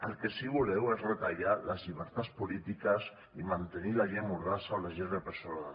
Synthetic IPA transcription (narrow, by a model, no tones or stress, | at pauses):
əlˠkesiβulɛwezret̪aʎaləzʎiβ̞əɾt̪atspulit̪ikəs | imant̪enilaʒemurasaolaʒeɾðepəɾsoal